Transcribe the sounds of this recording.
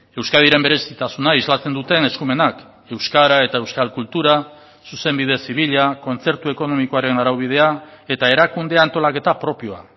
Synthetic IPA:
e̞wskaðiɾe̞mbe̞ɾe̞sit̪asunaizlat͡se̞nd̪ut̪e̞ne̞skume̞nak | e̞wskaɾae̞t̪aewskalkult̪uɾa | suse̞mbið̞e̞siβ̞iʎako̞nt͡se̞ɾt̪ue̞ko̞no̞miko̞aɾe̞naɾawβ̞ið̞e̞ae̞t̪ae̞ɾakund̪e̞ant̪o̞lake̞t̪apɾo̞pio̞a

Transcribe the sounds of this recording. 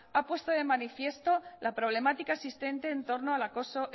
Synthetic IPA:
apwe̞st̪oðe̞manifje̞st̪o̞lapɾo̞β̞le̞mat̪ikaesist̪e̞nt̪e̞ːnt̪o̞ɾnoalako̞so

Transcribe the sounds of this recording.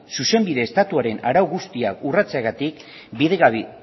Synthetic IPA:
suse̞mbiðe̞ːst̪at̪uaɾe̞naɾawɣust̪iakurat͡seaɣat̪ik | biðeɣaβ

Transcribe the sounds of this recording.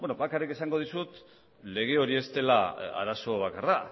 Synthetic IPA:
benoβakarike̞saŋɡo̞ð̞isut̪ | le̞ɣ̞e̞o̞ɾie̞st̪e̞laa̰ɾaso̞β̞akara

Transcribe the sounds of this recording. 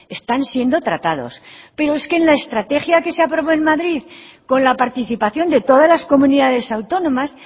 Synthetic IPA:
e̞st̪ansje̞nd̪o̞t̪ɾat̪að̞o̞̰spe̞ɾoe̞ske̞ːnlaest̪ɾat̪e̞xjake̞seapɾo̞βo̞enmaðɾið | ko̞nlapaɾt̪iθipaθjo̞nd̪e̞t̪o̞ðazlasko̞mũniðaðe̞sawt̪o̞nõ̞mas

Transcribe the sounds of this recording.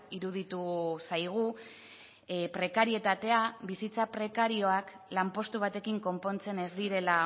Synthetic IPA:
iɾuð̞it̪usajɣ̞u | pɾe̞kaɾie̞t̪at̪e̞abisit͡sapɾe̞kaɾio̞ak | lampo̞st̪uβ̞at̪e̞kiŋko̞mpo̞nt͡se̞ne̞zd̪iɾe̞la

